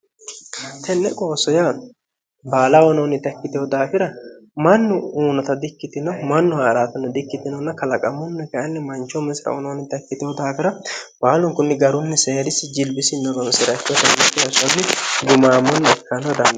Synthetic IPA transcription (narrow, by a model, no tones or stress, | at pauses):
t̪ʰɛnːɛkʼo̞ːsɔja | baːlɐwɔnoːnɪt̪ɐkːɪt̪ɪɔd̪aːfɪɾɐmɐnːʊuːnɔt̪ɐd̪ɪkːɪt̪ɪnɐmɐnːʊaɾaːt̪ɐnːɛd̪ɪkːɪt̪ːɪnɔnːɐkɐlɐkʼɐmːʊnːɛkɐʔɐnːɛmɐnt͡ʃːɔmɛsɾɐ̰wɔ̰noːnɪt̪ɐkːɪt̪ɪɔd̪aːfɪɾɐb̥aːlʊŋkʊnːɪɡɐɾʊnːɛseːɾɪsɪd͡ʒɪlbɪsɪnːɔɡɔnsɪɾɐt͡ʃːɔt̪ɐnːɐkːɪjɐsɐnːɪɡʊmaːmːɔnːɐɛkːɐnɔd̪ɐn